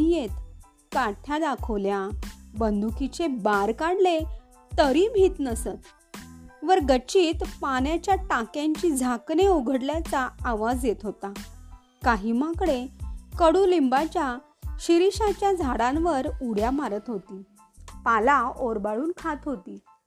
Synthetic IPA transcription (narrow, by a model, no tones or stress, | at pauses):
ijet̪ | kaʈʰjad̪akʰəʋljabənd̪ukit͡ɕebaɾkaɽle | t̪əɾiːbʱiːt̪nəsət̪ | ʋəɾɡət͡ɕiːt̪panjat͡ɕjaʈakjaɲt͡ɕiːd͡zʱakneuɡʱəɽljat͡saːʋad͡zjet̪ɦot̪a | kaɦiːmakɽekəɽuːlimbat͡ɕja | ɕiɾiɕat͡ɕjad͡zʱaɽãnʋəɾuɽjamaɾət̪ɦot̪iː | palaoɾbaɭuːnkʰat̪ɦot̪iː